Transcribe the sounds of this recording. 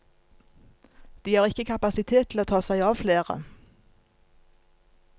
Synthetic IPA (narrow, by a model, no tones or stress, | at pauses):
d̪̥iːhɑːʁɪkəkʰɑpɑsɪt̪ʰeːt̪ʰl̩oːt̪ʰɑːsæɪɑːʋfleːʁə̰